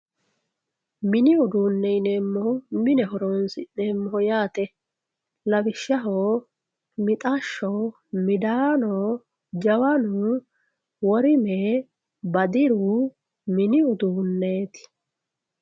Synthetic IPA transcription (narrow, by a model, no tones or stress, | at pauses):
mɪnɪɔd̪uːnːɛjneːmːɔhʊmɪnɛɦɔɾoːnsɪneːmːɔhʊjaːt̪ɛ | lɐbɪʃːɐɦo | mɪt̪ʼaʃːo | mɪd̪aːnoː | d͡ʒɐwɐnu | wɔɾɪmɛ | bɐd̪ɪɾu | mɪnɪɔd̪uːnːeːt̪ɪ̥